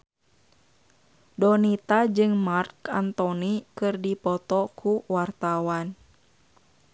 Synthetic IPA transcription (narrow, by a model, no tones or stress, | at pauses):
dɔnit̪ad͡ʒɨŋmarkant̪ɔnikɨrdipɔt̪ɔkʰuwart̪awan